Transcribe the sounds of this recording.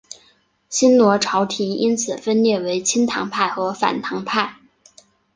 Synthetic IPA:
ɕi˥nnwɔ˧˥ʈ͡ʂʰɑ˧˥ʊt̪ʰi˧˥i˥nt͡sʰɹ̩˨˩fə˥nljɛ˥˩we˧˥ɪt͡ɕʰi˥nt̪ʰɑ̰˧˥ŋpʰa˥˩ɪxɤ˧˥fa̰˨˩nt̪ʰɑ˧˥ŋpʰa˥˩ɪ

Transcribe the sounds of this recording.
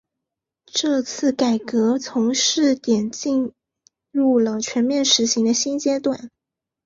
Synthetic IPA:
ʈ͡ʂɤ˥˧t͡sʰɹ̩˥˩ka˨˩ɪkɤ˧˥t͡sʰʊ˧˥ŋʂɻ̩˥˩t̪jɛ˨˩nt͡ɕi˥˧n | ɻu˥˩lə˩t͡ɕʰɥɛ˧˥nmjɛ˥˩nʂɻ̩˧˥ɕi˧˥ŋd̪ə˧ɕi˥nt͡ɕjɛ˥t̪wa˨˩˦n

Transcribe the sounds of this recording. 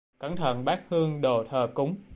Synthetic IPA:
ka˨˦nt̪ʰə̰˧˩˨nɓaː˦˥k̚hɨ˧əŋɗo̰˧˩t̪ʰəː˨˩kʊ˨˦ŋ͡m

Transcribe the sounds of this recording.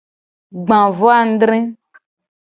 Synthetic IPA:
ɡ͡bã˨vo˦a˦˨n̩˦dɾĩ˦

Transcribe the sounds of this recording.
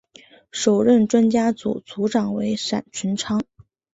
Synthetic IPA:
ʂo˨˩ʊɻə˥˩nʈ͡ʂwa˥nt͡ɕja˥t͡sṵ˨˩t͡su˧˥ʈ͡ʂɑ˨˩ŋwe˧˥ɪʂa̰˨˩nt͡ɕʰi˧˥nʈ͡ʂʰɑ˥ŋ

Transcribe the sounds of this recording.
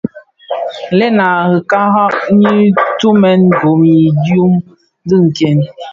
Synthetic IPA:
le˦na˨hɨ˨ka˦ɦa˦ʔ̚ɲi˦tu˦mɛ˦nbo˨mi˨dju˦m | zɨ˦ŋ̩˨kɛ˦˨n

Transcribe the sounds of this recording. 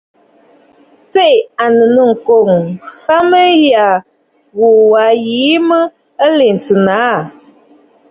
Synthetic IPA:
te˦˨ʔa˨nə˨nə˨ŋ̩˨ko˨ŋxa˦mə˦ja˨ | ɣo˨wa˨˦jiː˨˦mə˦ | ə˦le˨n̩˨tɨ˨na˨˦˨

